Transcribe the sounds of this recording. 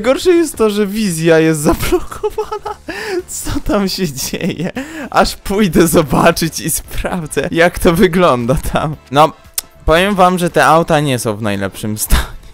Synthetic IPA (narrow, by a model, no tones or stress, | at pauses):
jɡɔɾʂɛjɛst̪ːɔʐɛvʲizʲjajɛst̪zablɔkʰɔvanat̪sɔt̪amɕɛd͡ʑḛjɛʔaʂpujd̪ɛzɔbat͡ʂɘt͡ɕispɾa̰vd̪zɛ̰jakt̪ɔvɘɡlɔnd̪at̪ʰa̰mnɔ | pɔvʲjɛmvamʐɛt̪ɛʔawt̪aɲɛsɔ̃w̃vnajlɛ̰pʂɘmst̪ʰaɲɛ